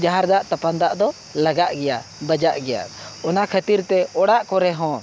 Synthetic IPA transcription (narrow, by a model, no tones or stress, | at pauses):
d͡ʒaɦaɾd̪aʔt̪apand̪aʔd̪ɔ | laɡaʔɡɛjabəd͡ʒaʔɡɛja̰ɔnakʰət̪iɾt̪ɛɔɽaʔkɔɾɛɦɔ̃